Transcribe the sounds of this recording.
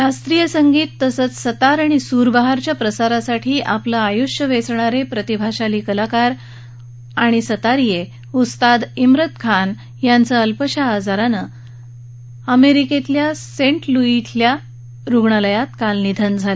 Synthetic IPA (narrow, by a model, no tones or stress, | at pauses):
ɾast̪ɾijəsəŋɡiːt̪ːəsət͡ssət̪aɾaɽ̃isuɾbaɦaɾt͡ɕjapɾəsaɾasaʈʰiːʔaplaːjuɕjəʋesɳ̃aɾepɾət̪ibʱaɕaliːkəlakaɾ | aɽ̃isət̪aɾije | ust̪ad̪imɾət̪kʰan | jant͡səəlpəɕaːd͡zaɾanə | əmeɾiket̪ljasẽɳʈluit̪lja | ɾuɡɳələjat̪kalnid̪ʱənd͡zʱalə